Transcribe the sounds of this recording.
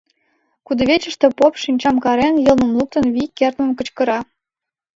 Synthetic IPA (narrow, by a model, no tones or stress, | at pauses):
kud̪ɤ̆βʲet͡ɕə̆ʃt̪ĕpopʃinʲt͡ɕɑmkɑɾenjɤ̆lnɤ̆mlˠuk̚t̪ɤ̆nβikːert̪mə̆mkə̆t͡ɕkɤ̆ɾɑ